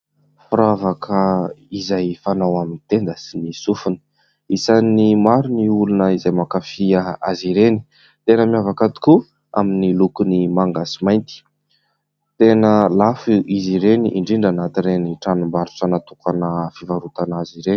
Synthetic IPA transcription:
fuɾavakʰəizajfanawaminit̪end̪əsinisufunə̥ | isanimaɾuniulunəizajmakafiaaziɾeni̥ | t̪enəmiavakat̪i̥ku | a̰minilukunimaŋɡasimajnt̪i̥ | t̪enəlafuʔiziɾeniʔiɳɖ͡ʐiɳɖ͡ʐanat̪iɾeniʈ͡ʂanumbaɾut͡sanat̪ukʰanəfivaɾut̪anaziɾeni̥

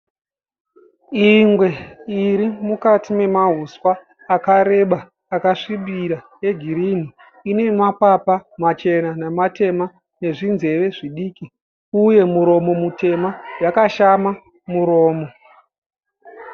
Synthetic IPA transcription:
iŋɡwe̞iɾimukatime̞maɦuswaː | kaɾe̞ɓaː | kaʂiɓiɾa | je̞ɡʱiɾin̤i | ine̞mapapamat͡ʃe̞nanematʰe̞ma | ne̞ʐinze̞ʋe̞ʐiɗiːki | uje̞muɾo̞mo̞mute̞majakaʃama | muɾo̞ːmo

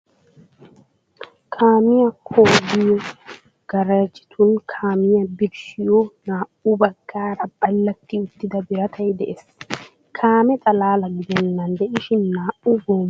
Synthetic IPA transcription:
kʰaːmɪjɐkʰoːɡɪjɔ | ɡ̥ɐɾɐd͡ʒɪ̥t̪ʰʊnkʰaːmɪjɐbɪɾʃɪjɔnaːʔʊbɐɡːaːɾɐbɐlːɐt̪ːɪʊt̪ːɪd̪ɐbɪɾɐt̪ʰɐjd̪ɛʔes | kʰaːmɛt̪ʼɐlaːlɐɡɪd̪ɛnːɐnd̪ɛʔɪʃɪnːaːʔʊboːm

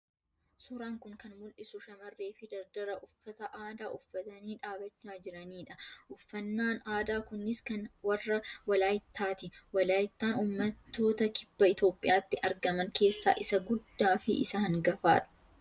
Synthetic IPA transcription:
sʊɾaːŋkʊŋkɐnmʊlʔɪsʊʃɐmɐrːe̞ːfɪd̪ɐɾd̪ɐɾɐʔʊfːɐt̪ɐʔaːd̪aːʔʊfːɐt̪ɐniːᶑaːbɐt͡ʃːaːd͡ʒɪɾɐniːᶑɐʔʊfːɐnːaːnaːd̪aːkʊnːɪskɐnwɐrːɐwɐlaːjɪt̪ːaːt̪ɪwɐlaːjɪt̪ːaːnuːmːɐt̪ːo̞ːt̪ɐkɪbːɐɪt̪o̞ːpʼːɪjaːt̪ːɪʔɐɾɡɐmɐŋke̞ːsːa̰ːʔɪsɐɡʊd̪ːaːfɪ̰ʔɪ̰sɐhɐŋɡɐfa̰ːᶑɐ̥

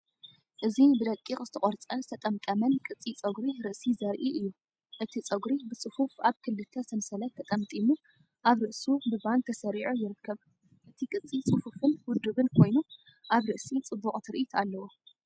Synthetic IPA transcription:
ʔɨzibɨd̪ɐkʼːixʼzɨ̥t̪ʰɐχʼɔɾt͡sʼɐnzɨt̪ʰɐt̪ʼɐmt̪ʼɐmɐnkʼɨt͡sʼːit͡sʼɐɡɾiɾɨʔsizɐɾʔiʔɨjːu | ʔɨt̪ʰit͡sʼɐɡɾibɨt͡sʼɨfufaβkʰɨlːɨt̪ʰːɐsɨmsɐlɐt̪ʰːɐt̪ʼɐmt̪ʼimu | ʔaβɾɨʔsubɨban̚t̪ʰɐsɐɾiʕujɪɾɨkːɐβ | ʔɨt̪ʰikʼɨt͡sʼːit͡sʼɨfufɨnwʊd̪ːɨβɨnkʰo̞jnu | ʔaβɾɨʔsit͡sʼɨbːuχʼt̪ʰɨɾʔit̪ʰalːɐwo

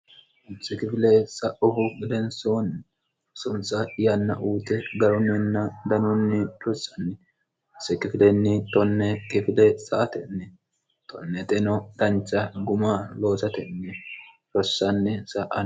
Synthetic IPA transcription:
ʊnt͡sːɪkɪfɪlesɐʔʊhʊɡɪd̪ɛnsoːn | sʊnsɐɪjɐnːɐ̰ʔuːt̪ɛɡɐɾʊnːɛnːɐd̪ɐnʊnːɪtɔsɐ̥nːɪ | sɛkɪfɪlɛnːɪt̪ɔnːɛkɪfɪlɛsɐʔɐt̪ɛnːɛ | t̪ʰɔ̰nːɛt̪ʼɛnɔd̪̥ɐnt͡ʃːɐɡʊmaːlo̞ːsɐt̪ɛnːɛ | ɾɔsːɐnːɛsɐʔɐ

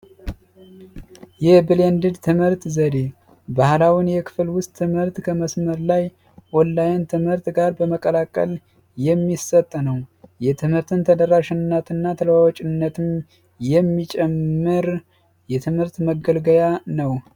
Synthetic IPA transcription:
jɛbɨlend̪ɨd̪t̪ʰɨmhɨɾt̪zəd̪e | bahlawinjɛkʰɨ̥fɨlwʊst̪ʼʰːɨmhɨɾt̪kʰəməsməɾlaj | wɔlːajɛnt̪ʰɨmhɨɾt̪ɡaɾbəməkʼəlakʼə̰l | jɛmːisət̪ʼːnəwjɛt̪ʰɨmhɨɾt̪ʰɨnt̪ʰəd̪əɾaʃɪnːət̪ʰɨnːat̪ʰəlwawɔt͡ʃʼɪnːət̪ʰɨm | jɛmːit͡ʃʼɛmːɨɾ | jɛt̪ʰɨmhɨɾt̪məɡəlɡəjanəw

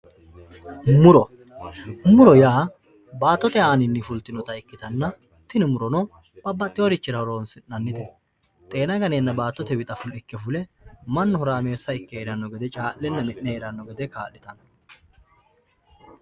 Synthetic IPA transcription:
mʊɾɔ | mʊɾɔjaː | baːt̪ːɔt̪ɛaːnɪnːɪfʊlt̪ːɪnɔt̪ɐɪkːɪt̪ɐnːɐ | t̪ːɪnɪmʊɾɔnɔ | b̥ɐbːɐt̪ʼːɪjɔɾɪt͡ʃːɪɾɐhɔɾoːnsɪnːɐnːɪt̪ɛ | t̪ʼe̞ːnɐɡɐneːnːɐbaːt̪ːɔt̪ɛwɪt̪ʼɐfʊlɪkːɛfʊlɛmɐnːɔhɔɾaːme̞ːsːɐɪkːɛeɾɐnːɔɡɛd̪ɛt͡ʃʼaːlːɛnːɐmɛʔːɛheɾɐnːɔɡɛd̪ɛka̰ːlːɪt̪ɐn

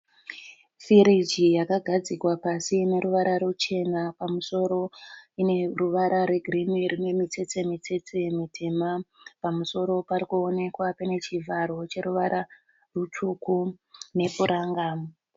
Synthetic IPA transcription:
fiɾid͡ʒijakaɡʱad͡zikwapasine̞ɾuʋaɾʔaɾut͡ʃe̞napamuso̞ɾo̞ine̞ruʋaɾʔaɾe̞ɡʱrimirine̞mit͡se̞t͡se̞mit͡se̞t͡semitʰe̞ma | pamuso̞ɾo̞paɾikuo̞ne̞kwapene̞t͡ʃivʱaɾo̞t͡ʃe̞ɾuʋaɾʔa | rutʰukune̞puɾaːŋɡa

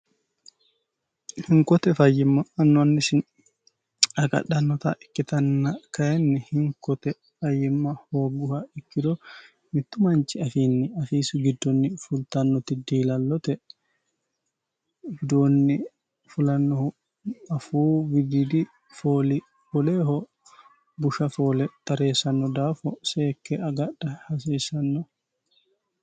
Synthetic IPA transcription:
hiŋkɔt̪ɛfajːimːaːnːɔanːisin | aka̰ɗanːɔt̪aʔikːit̪anːakajɛnːihiŋkɔt̪ɛ | fajimːahoɡuhaikːidɔ | mit̪ːumaɲt͡ʃiafinːiafiːsuɡidːɔnːifult̪anːɔt̪idiːlalːɔt̪ɛ | bɪd̪oːnːɪ | fʊlɐnːɔ | ɐfuːbɪd̪id̪ɪ | foːlɪ | bɔle̞ːɦɔ | bʊʃɐfo̞ːlɛt̪ɐɾe̞ːsɐnːɔd̪aːfɔseːkːɛʔɐɡɐɗɐhɐs̬iːsɐnːɔ

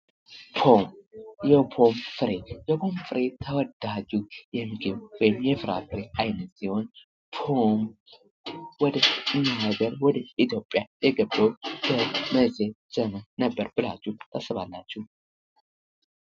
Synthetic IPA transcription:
pʰomjɛpʰo̞mfɨɾejɛpʰo̞mfɨɾet̪ʰəwɔd̪ad͡ʒujɛmɡeβwɔjɪmjɛfɨɾa̰fɨɾeajnət̪siho̞n | pʰom | wɔd̪əɨnːaaɡəɾwɔd̪əit̪ʰjo̞pʼːjajɛɡəbːəwb̥əməzʼez̥əmənəbːəɾb̥ɨlat͡ʃːɛt̪ʰasəβalːat͡ʃːɛw

